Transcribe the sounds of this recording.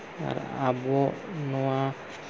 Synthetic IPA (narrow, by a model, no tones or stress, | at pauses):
a̰ɾa̰bonoa